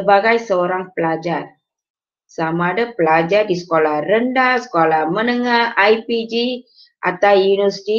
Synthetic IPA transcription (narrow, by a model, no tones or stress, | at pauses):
baɡajsəoɾaŋpəlad͡ʒar | samaːdapəlad͡ʒardisə̥kolahrəndasə̥kolahmənəŋahajpid͡ʒi | ʔat̪awjunusti